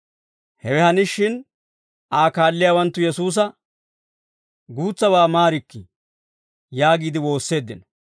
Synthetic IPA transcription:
hɛwɛhɐnɪʃːɪn | aːkaːlːɪjaːwɐnt̪ːʊjɛsuːs̬ɐ | ɡuːt͡sːɐwaːmaːɾɪkːɪ | jaːɡiːd̪ɪwo̞ːsːe̞ːd̪ːɪ̰n

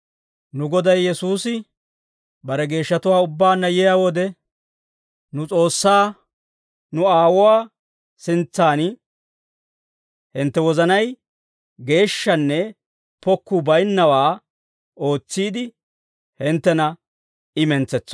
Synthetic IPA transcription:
nʊɡɔd̪ɐjjːɛsuːsɪ | bɐɾɛɡe̞ːʃːɐt̪ʊwaːʊbːaːnːɐjɛjawɔd̪ɛ | nʊt͡sʼo̞ːsːaː | nʊaːwʊwaː | sɪnt͡sːaːn | hɪnt̪ːɛwɔzɐnɐj | ɡe̞ːʃːɐnːɛ | pɔkːʊbɐjnːɐwaː | o̞ːt͡sːiːd̪ɪ | hɪnt̪ːɛnɐ | ɪmɛnt͡sɛt͡sːɔ̥

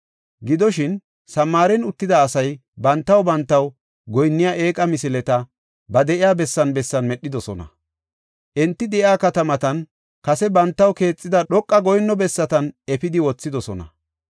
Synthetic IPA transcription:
ɡɪd̪ɔʃɪn | sɐmːaːɾɛnʊt̪ːɪd̪ɐːsɐjbɐnt̪ːɐwbɐnt̪ːɐw | ɡɔjnːɪjaːʔe̞ːkʼɐmɪsɪlɛt̪ɐ | bɐd̪ɛʔɪjaːbɛsːɐnbɛsːɐnmɛɗːɪd̪ɔsɔnɐ̰ | ʔɛnt̪ːɪd̪ɛʔɪaːkɐt̪ɐmɐt̪ɐn | kɐsɛbɐnt̪ːɐwke̞ːt͡sʼːɪd̪ɐɗɔkʼːɐɡɔjnːɔbɛsːɐt̪ɐnɛpɪd̪ɪwɔt͡sːɪd̪ɔsɔnɐ̰

